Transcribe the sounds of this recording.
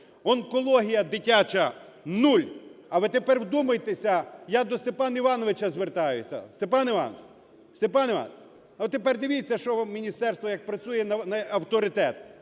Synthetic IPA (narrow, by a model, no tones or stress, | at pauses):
ɔnkɔlˠɔɦʲijɐd̪ɪtʲat͡ʃɐ | nulʲɐʋɪt̪epɛrwd̪umɐjt̪esʲɐjad̪ɔst̪epɑniʋɑnɔʋɪt͡ʃɐzʋert̪ɑjʊsʲɐ̰st̪epɑniʋɑ̰nɔ̰ʋ | st̪epɑniʋɑ̰n | ɔt̪epɛrd̪ɪʋʲit͡sʲːɐʃɔmʲinʲist̪ɛrst̪ʋɔjɐk̚pɾɐt͡sʲujɛnɐnɐɐwt̪ɔɾɪt̪ɛt̪̚